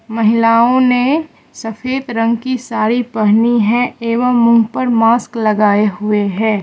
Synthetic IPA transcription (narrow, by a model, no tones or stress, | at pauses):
mɐɦɪlaːõne | sɐfeːd̪ɾɐ̃ŋɡkisaːɾipɐɦniɦɛ̃eːʋəmːʊ̃ŋɡpəɾmaːsklɐɡaːeɦʊeɦɛ̃ː